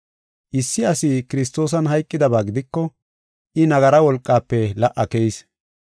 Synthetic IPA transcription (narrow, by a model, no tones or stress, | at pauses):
ʔɪsːɪɐsɪkɪɾɪs̬t̪o̞ːs̬ɐnɦɐjkʼːɪd̪ɐbaːɡɪd̪ɪkːɔ | ʔɪnɐɡɐɾɐwɔlkʼːaːpːɛlɐʔːɐkɛjɪs